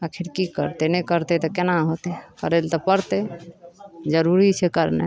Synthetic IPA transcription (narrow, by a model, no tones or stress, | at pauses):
akʰiɾkikə̰ɾt̪enəɛkəɾt̪et̪ɔkenaɦot̪ekə̰ɾelt̪ɔpəɾt̪e | d͡ʒəɾuɾit͡ʃʰɛkəɾnḛ